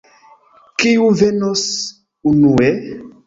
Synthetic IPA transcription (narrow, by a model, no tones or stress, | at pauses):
kiuvenɔs | unuɛ